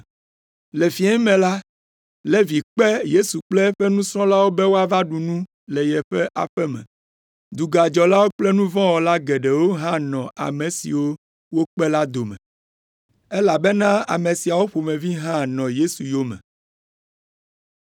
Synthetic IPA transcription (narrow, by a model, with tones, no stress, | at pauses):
le˨fi˨˦ɛ̃˦mɛ̃˨la˦ | lɛ˦vi˨k͡pɛ˦je˦su˨k͡plɛ˦ɸɛ˦nũ˦sɾɔ̃˦la˦wo˦bɛ˦wo˦a˦˨va˦ɖu˨nũ˦ | lɛ˨jɛ˨ɸɛ˦ʔa̰˨ɸɛ˦mɛ̰̃˨ | d̪u˨ɡa˨d͡ʒɔ˨la˦wo˦k͡plɛ˦nũ˦vɔ̃˦wɔ˨la˦ɡɛ˨ɖɛ˨wo˦ɦã˦nɔ̃˨ʔa̰˨mẽ˨sḭ˨wo˦ | wo˦k͡pɛ˦la˦d̪o˨mɛ̰˨ | ɛ˦la˨bɛ˦nã˦a̰˨mẽ˨si˨a˨wo˦ɸo˨mẽ˨vi˦ɦã˦nɔ̃˨je˦su˨jo˦mɛ̰̃˨